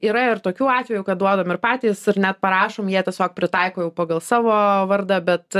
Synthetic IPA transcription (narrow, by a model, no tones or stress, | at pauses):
iːɾɐɪrt̪oːkʲuːɑːt̪ʲʋʲɛjuːkɐt̪̚d̪uɔd̪ɐmɪɾpɑːt̪ʲiːsɪɾnʲæt̪̚pɐɾɑːʃoːmjiɛt̪ʲiɛsʲoːk̚pʲɾʲɪt̪ɑɪkoːjɛʊpɐɡɐlˠsɑːʋoːʋɐɾd̪ɐbʲɛt̪